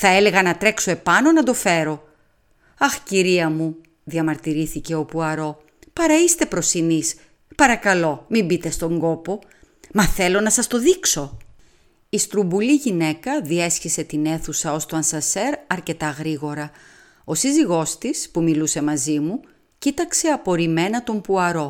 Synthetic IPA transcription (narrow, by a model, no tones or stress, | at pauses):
θɐe̞leɣɐnɐt̪ɾe̞kso̞e̞pɐno̞nɐd̪o̞fe̞ɾo̞ | ɐxciɾiɐmu | ðiɐmɐɾt̪iɾiθice̞o̞puɐɾo̞ | pɐɾɐist̪e̞pɾo̞sinis | pɐɾɐkɐlo̞mimbit̪e̞st̪o̞ŋɡo̞po̞ | mɐθe̞lo̞nɐsɐst̪o̞ðikso̞ | ist̪ɾumbuliʝine̞kɐðie̞sçise̞t̪ine̞θusɐo̞st̪o̞ɐnsɐse̞ɾɐɾce̞t̪ɐɣɾiɣo̞ɾɐ | o̞siziɣo̞st̪ispumiluse̞mɐzimu | cit̪ɐkse̞ɐpo̞ɾime̞nɐt̪o̞mpuɐɾo̞